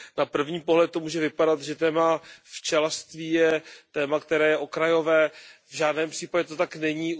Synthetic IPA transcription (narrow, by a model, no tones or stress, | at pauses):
napr̩vɲiːpo̞ɦlɛt̪t̪ːo̞muːʒɛvɪpadat̪ʒɛt̪ɛːmaft͡ʃɛlast̪viːjɛt̪ɛːmakt̪ɛɾɛːjɛʔo̞kɾajo̞vɛːvʒaːdnɛːmpr̥iːpaɟɛt̪ot̪aknɛɲiː